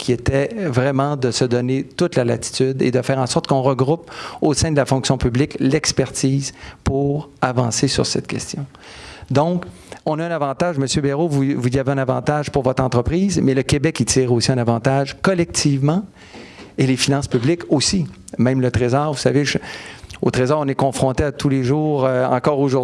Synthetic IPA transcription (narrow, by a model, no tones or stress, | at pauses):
kʲʰiet̪ɛvʁɛmɑ̃d̪əsəd̪ɔnet̪ʊt̪lalat̪i̥t̪yd̪ḛd̪əfɛːʁɑ̃sɔʁt̪kɔ̃ʁəɡʁuposɛ̃d̪əlafɔ̃ksjɔ̃pyblɪklɛkspɛʁt̪iːzpuʁavɑ̃sesy̰ʁsɛt̪̚kʲʰɛst̪jɔ̃ | d̪ɔ̃k | ɔ̃naɛ̃navɑ̃t̪aʒməsjøbeʁovuvuziaveɛ̃navɑ̰̃t̪aʒpuʁvɔt̪χɑ̃t̪ʁəpʁiːzmɛləkʲebɛkit̪iːʁosiɛ̃navɑ̃t̪aʒkɔlɛk̚t̪ʰivmɑ̃ | elefinɑ̃spyblɪkosimɛ̃mlət̪ʁezɑːʁvusa̰veʒot̪ʁezɑːʁɔ̃nɛkɔ̃fʁɔ̃t̪eat̪uleʒuːʁøɑ̰̃kɔːʁoʒʊ